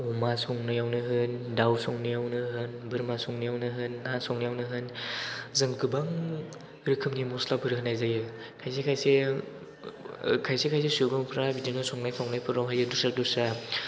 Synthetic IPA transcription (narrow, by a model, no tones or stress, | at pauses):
ɔmasɔŋnɯjawnɯɦɯndawsɔŋnɯjawnɯɦɯnbɯɾmasɔŋnɯjawnɯɦɯnːasɔŋnajawnɯɦɯnzɯŋkɯbaŋ | ɾɯkʰɯmnimuslabʰɯɾɦɯnːajzajɯ | kʰajs̬ekʰajse | kʰajsekʰajsesuɡɔmpʰɾabidinɯsɔŋnajpʰawŋnajpʰɯɾɔwɦajɯdusak̚dusa